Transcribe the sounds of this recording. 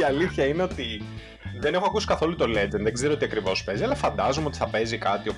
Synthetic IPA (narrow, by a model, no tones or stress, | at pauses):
iɐliθçɐine̞o̞t̪i | ðene̞xoɐkusi̥kɐθo̞lut̪o̞led͡zenðeɡzeɾoot̪iɐkɾivo̞spe̞ziɐlɐfɐnd̪ɐzomeo̞t̪i̥θɐpe̞zikɐt̪io̞